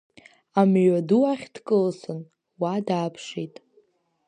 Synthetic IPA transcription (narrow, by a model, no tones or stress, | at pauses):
amɥaduaχʲd̥kʼɨlsɨn | wadaːpʰʂijtʼ